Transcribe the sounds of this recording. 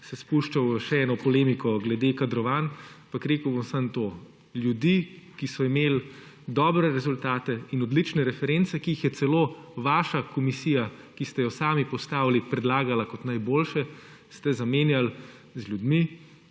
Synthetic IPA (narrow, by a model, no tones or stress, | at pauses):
sɛspuʃt͡ʃawʃɛɛːnɔpɔleːmikɔɡlɛd̪ekad̪ɾɔʋaːnmpakɾeːkəwbomsənt̪o | lʲjud̪ikisɔimeːl | d̪ɔːbɾɛɾɛzult̪aːt̪ɛinɔd̪lit͡ʃnɛɾɛfɛɾɛnt̪sɛkiːxjɛt̪sɛloːʋaːʃakɔmisija | kist̪ɛjɔsaːmipɔst̪aːwlipɾɛd̪laːɡalakɔt̪najboːlʃɛ | st̪ɛzameːnjal | zlʲjud̪mi